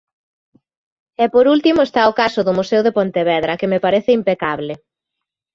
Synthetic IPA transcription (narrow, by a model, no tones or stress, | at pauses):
ɛpoɾult̪imʊest̪aʊkasʊðʊmusewðepont̪eβɛðɾɐkemepaɾeθeimpekaβle